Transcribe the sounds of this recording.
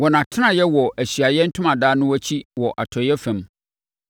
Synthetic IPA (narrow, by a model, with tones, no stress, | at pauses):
wɔ˨nã˨tʰɪ˦nã˨jɛ˦wɔ˨ʔæ˨ɕɥa˨jɛ˦n̩˦tʰʊ̃˦mã˨daː˦nʊ̃˦wɔ˦t͡ɕʰi˦wɔ˨ʔa˨tʰɔ˨jɛ˦fæ̃˨m